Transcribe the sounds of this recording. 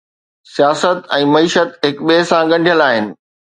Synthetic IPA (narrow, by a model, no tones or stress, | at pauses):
sijaːsət̪ɛ̃ːmɐiːʃət̪ɦɪkɓesãɠɐ̃ɳɖʱijəlaːɦɪnɪ̆